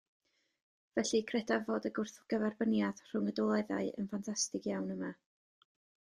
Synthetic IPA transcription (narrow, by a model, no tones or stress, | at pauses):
vɛɬikʰrɛdavoːdəɡʊrθɡ̥əvɛrbənjað̥r̥ʊŋədɔlˠaða̰ɨə̰nfantʰastɪkʰjawnəma